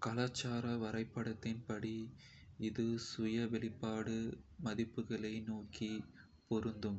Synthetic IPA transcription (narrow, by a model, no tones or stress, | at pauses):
kɐlaːt͡ʃːaːɾɐʋɐɾɐɪpːɐɽɐt̪ːɪnpɐɽi | ɪðɯsʊjɐʋɛɭɪpːaːɽɯmɐðɪpːɯɣɐɭɐɪnuoːki | pɔɾɯnd̪ɯm